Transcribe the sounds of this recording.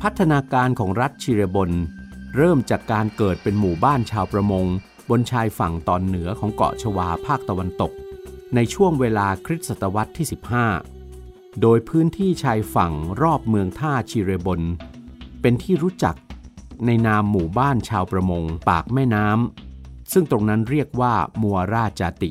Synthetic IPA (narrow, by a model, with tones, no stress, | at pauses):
pʰa˦˥t̪ʰːa˧naː˧kaː˧nkʰɔː˩˦ŋɾa˦˥t̪̚t͡ɕʰiː˧ɾeː˧bo˧nɾɤː˥˩mt͡ɕaː˨˩kːaː˧nkɤː˨˩t̪̚pe˧nmuː˨˩baː˥˩nt͡ɕʰaː˧wpɾa˧mo˧ŋ | bo˧nt͡ɕʰaː˧jfa˨˩ŋt̪ɔ̰ː˨˩nːɯ˩˦ɐkʰɔː˩˦ŋkɔ̰˨˩t͡ɕʰa˧waː˧pʰaː˥˩k̚t̪a˧wa˧nt̪o˨˩k̚na˧jt͡ɕʰu˥˩əŋweː˧laː˧kʰɾi˦˥t̪̚sa˨˩t̪ːa˧wa˦˥t̪ʰːiː˥˩si˨˩p̚haː˥˩ | doː˧jpʰɯː˦˥nt̪ʰiː˥˩t͡ɕʰaː˧jfa˨˩ŋɾɔː˥˩p̚mɯ˧əŋt̪ʰaː˥˩t͡ɕʰiː˧ɾeː˧bo˧n | pe˧nt̪ʰiː˥˩ɾuː˦˥t͡ɕa̰˨˩k̚na˧jnaː˧mːuː˨˩baː˥˩nt͡ɕʰaː˧wpɾa˧mo˧ŋpaː˨˩k̚mɛː˥˩naː˦˥msɯ˥˩ŋt̪ɾo˧ŋna˦˥nɾi˥˩ək̚waː˥˩muː˧a˧ɾaː˥˩t͡ɕaː˧t̪ḭ˨˩